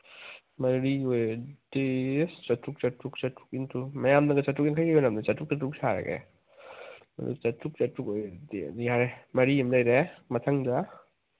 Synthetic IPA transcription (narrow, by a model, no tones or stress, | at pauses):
mɐɾiojdest͡ʃɐtuk̚t͡ʃɐtuk̚t͡ʃɐtʰu̥k̚intʰumɐjamdɐɡɐt͡ʃɐtuk̚inkʰajɡajɔnamdat͡ʃɐtuk̚t͡ʃɐtuk̚saɾɐ̰ɡḛ | mɐ̰dṵt͡ʃɐtuk̚t͡ʃɐtukojdejaɾemɐɾiimnajɾemɐtʰɐŋd͡ʒa